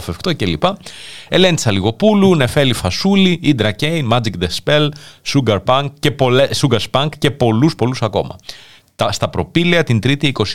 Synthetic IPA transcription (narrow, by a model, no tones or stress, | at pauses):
fefkt̪o̞ce̞lipɐe̞le̞nd̪isɐliɣo̞pulunefe̞lifɐsuliid̪ɾɐcejnmɐd͡zikd̪espe̞lsuɡɐɾpɐŋkce̞polesuɡɐɾspɐŋkce̞po̞luspo̞lusɐko̞̰mɐ̰ | t̪ɐst̪ɐpɾo̞piliɐt̪int̪ɾit̪iːko̞s